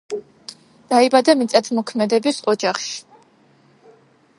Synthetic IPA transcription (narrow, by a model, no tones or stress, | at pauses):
d̪̥aibad̪amit̪sʼat̪ʰmɔkʰmɛd̪ɛbisɔd͡ʒaχʃi̥